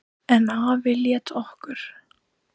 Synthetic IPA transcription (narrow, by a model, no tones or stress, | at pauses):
ɛnaavɪljɛt̪ɔhkʏɾ̥